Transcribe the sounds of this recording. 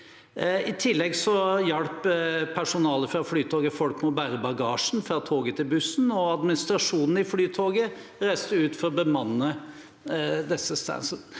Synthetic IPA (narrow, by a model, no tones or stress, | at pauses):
ɪt̪ʰɪlːɛɡsɔjɑlpʰːæʂʊnɑːləfɾɑflyːt̪ʰoːɡəfɔlkmɔbæːɾəbɑɡɑːʂn̩fɾɑːt̪ʰoːɡət̪ʰɪlbʉsn̩ɔɑd̪mɪnɪst̪ɾɑʂuːnn̩ɪflyːt̪ʰoːɡə | ɾæɪst̪əʉːt̪fɔɾɔbəmɑnːə | d̪ɛsːəst̪æ̰nsən